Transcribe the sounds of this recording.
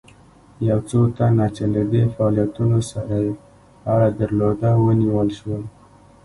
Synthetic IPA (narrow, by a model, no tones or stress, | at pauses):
jawt͡sot̪anat͡ʃelad̪efaɑlijat̪unosaɾaje | aɾad̪əɾlod̪awəniwəlʃwə